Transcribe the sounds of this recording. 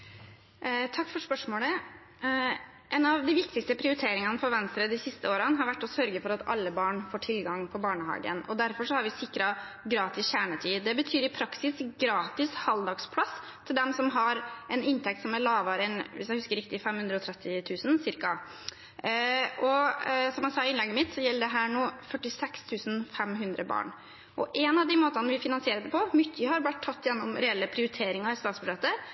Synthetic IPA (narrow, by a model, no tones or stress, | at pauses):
t̪ʰɑkːfɔɾʂpœʂmoːlə | ʔɛnɑʋd̪ɪʋɪk̚t̪ɪkst̪əpʰɾɪʊɾɪt̪ʰeːɾɪŋɑnəfɔɾʋɛnst̪ɾəd̪ɪsɪst̪əoːɾənɦɑɾʋæʈːɔsœɾɡəfɔɾɑt̪ɑ̰lːəbɑːɳfoːʈʰɪlɡɑŋpʰɔbɑːɳəhɑ̰ːɡə̰nɔ̰d̪æɾfɔʂɔhɑɾʋɪsɪkːɾɑ | ɡɾɑːt̪ɪsçæːɳət̪ʰyːd̪ɛbət̪ʰyːɾɪpʰɾɑksɪsɡɾɑːt̪ɪshɑld̪ɑɡspʰlɑs | t̪ʰɪld̪ɛmsɔmɦɑɾɛnɪnt̪ʰɛk̚t̪sɔmæɭɑːʋɑɾəɛnʋɪ̰sjæɪhʉskəɾɪk̚t̪ɪfɛmːhʉnd̪ɾəɔt̪ʰɾɛt̪ːɪt̪ʰʉːsn̩sɪɾkɑ | ʔɔsɔmjæsɑːɪnlɛɡːəmɪt̪sɔjɛlːəɖɛɦæːɳoːfœʈːɪsɛkst̪ʰʉːsn̩fɛmɦʉnd̪ɾəbɑ̰ːɳ | ʔɔʔɛnɑʋd̪ɪmoːt̪ɑnəʋɪfɪnɑnsɪeːɾəd̪ɛpʰɔmʏt̪ːəhɑɾblæt̪ʰːɑt̪ːjɛnːɔmɾɛɛlːəpʰɾɪʊɾɪt̪ʰeːɾɪŋɑɪst̪ɑːt̪sbʉʂɛt̪ə